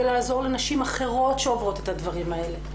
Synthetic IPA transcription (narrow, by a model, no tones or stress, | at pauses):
elaːzo̞ʁlenaʃimaχe̞ʁo̞tʃeovʁo̞tet̪advaʁimae̞le̞